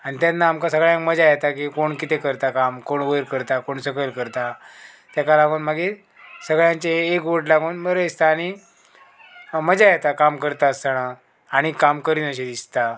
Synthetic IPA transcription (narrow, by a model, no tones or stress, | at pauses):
aɽ̃it̪janːaːmkasəɡɭjãŋkməd͡ʑajet̪akikoɳkit̪ekəɾt̪akamkoɳʋəjɾkəɾt̪akoɳsəkəlkəɾt̪a | t̪jakalaɡoːnmaɡe | səɡɭjãɲt͡ɕeːkʋoʈlaɡoːnməɾəist̪aːɽ̃i | məd͡ʑajet̪akamkəɾt̪aəst̪aɽ̃aː | ɽ̃ikamkəɾiːnəɕ̬ed̪ist̪a